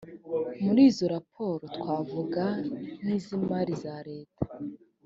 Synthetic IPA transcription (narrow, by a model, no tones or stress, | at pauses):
muɾiːzo̞ɾapʰo̞ːɾotwaːvuɡaniːzimaɾizaɾe̞ːtʰḁ